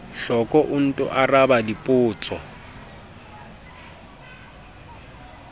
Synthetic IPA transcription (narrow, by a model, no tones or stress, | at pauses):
ɬɔkʼɔʔʊn̩tʼʊ̰ʔarabadipʼʊːt͡sʼɔ